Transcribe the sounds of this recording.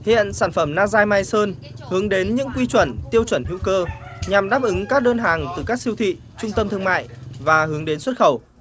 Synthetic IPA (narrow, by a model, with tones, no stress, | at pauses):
hḭ˧˨ənsaː˧˩nfə˧˩mnaː˧zaː˧jmaː˧jsəː˧n | hɨ˨˦əŋɗe˨˦nɲɨ̰˧˥ŋkwi˧t͡ɕwə˧˩nt̪i˧əwt͡ɕwə˧˩nhḭ˧˥əwkəː˧ɲa˨˩mɗaː˦˥p̚ʔɨ˨˦ŋkaː˦˥k̚ɗəː˧nɦaː˨˩ŋt̪ɨ˨˩kaː˦˥k̚si˧əwt̪ʰḭ˧˨ | t͡ɕʊ˧ŋ͡mt̪ə˧mt̪ʰɨ˧əŋma̰ː˧˨jvaː˨˩hɨ˨˦əŋɗe˨˦nswə˦˥t̚xə˧˩w